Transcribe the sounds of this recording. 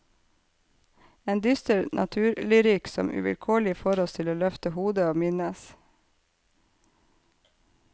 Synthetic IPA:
eːnd̪ʏst̪əɾnʔɑ̰t̪ʰʉːɾlɪɾyːksɔ̰mʔʉ̰ʋɪ̰lkʰoːɭɪfoːɾɔst̪ʰɪloːlœft̪əhuːd̪əoːmɪnəs

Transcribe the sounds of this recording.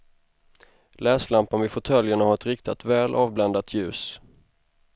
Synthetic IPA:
lɛːslampanvɪfɔt̪ʰœljəɳahaɾɛt̪ɾɪkt̪ɪt̪vɛːlʔɑːvblɛnd̪at̪ʰjʉ̟ːs

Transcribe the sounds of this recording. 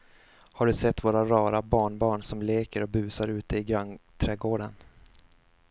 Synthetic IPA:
haɖɵsɛt̪ːvoːɾaɾɑːɾabɑːɳbɑːɳsɔmleːkəɾɔbʉ̟ːsaɾʉ̟ːt̪əɪɡɾant̪ʰɾɛːɡoːɖən

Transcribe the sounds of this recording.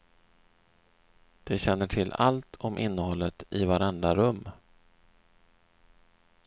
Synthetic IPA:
d̪̥ɛɕɛnːəʈʰɪlːa̰lt̪ʰɔmʔɪnːəhɔlːət̪ɪvaɾɛnd̪ɾaɾɵmː

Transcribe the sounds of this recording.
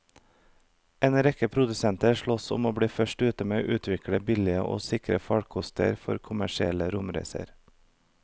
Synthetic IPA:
eːnɾɛkəpʰɾʊd̪ʉsɛnt̪əɾʃɭɔsʊ̰moːbɽiːfœʃʈʉːt̪əmeːoːʔʉːt̪ʰʋɪkɽəbɪlɪəʔo̰ːsɪkɾə̰fɑɽkʰʊst̪ə̰ɾfɔɾkʰʊmæʃɪɛləɾʊmɾæ̰ɪsə̰ɾ

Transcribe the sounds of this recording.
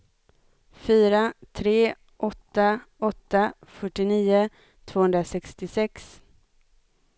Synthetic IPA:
fyːɾat̪ʰɾeː | ʔɔt̪ːaɔt̪ːafœʈːɪniːʊ | t̪ʰv̥oːhɵnd̪ɾasɛkst̪ɪsɛks

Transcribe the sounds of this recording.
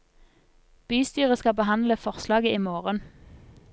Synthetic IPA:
b̥yːst̪yːʁəskɑbəhɑnləfɔʁslɑːɡəiːmoːʁən

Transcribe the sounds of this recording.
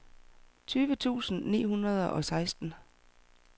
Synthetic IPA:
t͡sʰyːʋət͡sʰṵːsn̩nḭːɦunʁɐð̞ˠʔɒ̽sɑ̈ɪsd̥n̩

